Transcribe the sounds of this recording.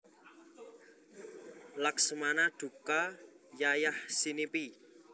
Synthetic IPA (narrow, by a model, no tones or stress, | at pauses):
laksəmanaɖ̪̥ṳka | jajahsinipi